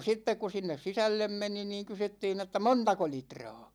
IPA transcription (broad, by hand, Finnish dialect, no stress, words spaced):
sitːek ku sinːes sisælːem meni niːŋ kysytːiːn etːæ montɑko litrɑ̝ː